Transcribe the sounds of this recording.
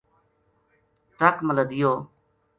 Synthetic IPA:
ʈəkmələd̪ɪjoː

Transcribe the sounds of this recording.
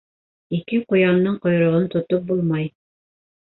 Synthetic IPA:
ikɘqŏjɑnːɤɴqŏj̆ɾŏʁɤnt̪ŏt̪op̚bulˠmɑj

